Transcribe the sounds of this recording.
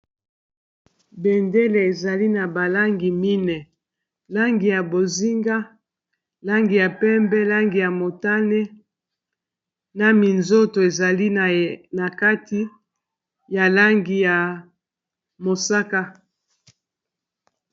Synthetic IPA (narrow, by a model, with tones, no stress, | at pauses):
bɛ˨nde˦le˨e˨za˨li˦na˨ba˨la˦ŋɡi˨mi˦nɛ˨ | la˦ŋɡi˨ja˨bo˨zi˦ŋɡa˦ | la˦ŋɡi˨ja˨pɛ˦mbɛ˦la˦ŋɡi˨ja˨mo˨ta˦nɛ˦ | na˨mi˨nzo˦to˨e˨za˨li˦na˨ka˦ti˦ | ja˨la˦ŋɡi˨ja˨ | mo˨sa˦ka˦